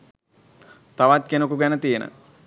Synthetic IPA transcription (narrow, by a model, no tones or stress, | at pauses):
t̪aʋat̪̚kenəkuɡænət̪ijenə̰